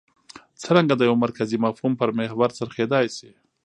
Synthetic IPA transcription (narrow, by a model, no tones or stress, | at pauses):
t͡səɾaŋɡad̪əjawmaɾkazimafhumpəɾmehbaɾsəɾxed̪ɑjsi